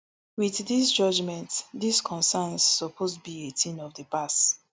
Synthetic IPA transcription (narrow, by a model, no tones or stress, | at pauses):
wiθdis̬d͡ʒɔd͡ʒmɛ̃ntdiskʰɔ̃nsɛnsːɔpʰosbietʰĩnɔvdəpast